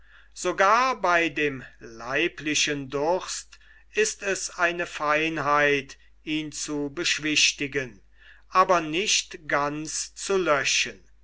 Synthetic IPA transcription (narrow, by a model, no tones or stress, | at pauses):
z̥oɡaːɐbaɪdeːmlaɪplɪʃəndʊst | ɪstɛsaɪnəfaɪnɦaɪt | ʔiːnt͡subəʃv̥ɪʃtɪɡən | ʔaːbɐnɪʃtɡ̥ant͡st͡sulœʃən